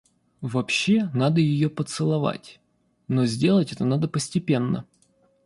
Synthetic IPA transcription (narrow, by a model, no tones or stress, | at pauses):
vɐpɕːenad̪əjɪjopət̪sɨlˠɐva̰tʲ | nozʲdʲe̞lˠətʲɛt̪ənad̪əpəsʲtʲɪpʲe̞nːə̰